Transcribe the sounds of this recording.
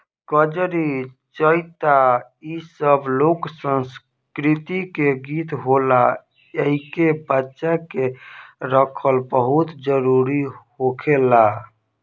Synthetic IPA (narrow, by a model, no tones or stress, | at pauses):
kəd͡ʒɾi | t͡ʃəjt̪a | isəbloksə̃ns | kɾit̪ikeɡit̪ɦola | eɦikebətːʃakeɾəkʰəlbəɦut̪d͡ʒəɾuɾihokʰela